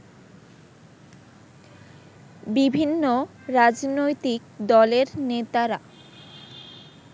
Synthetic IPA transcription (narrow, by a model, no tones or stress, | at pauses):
bibʱinːo | ɾad͡ʑnojt̪ik̚d̪ɔleɾnet̪aɾa